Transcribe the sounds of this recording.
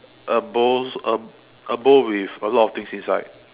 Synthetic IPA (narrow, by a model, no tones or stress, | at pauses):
ʔəboə | ʔəbowivəlɔtɔft̪ɪ̃ŋsĩnsa̰ɪd̚